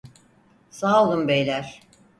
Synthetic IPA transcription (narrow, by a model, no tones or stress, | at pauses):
saːlˠɯmbejlʲæɾ̥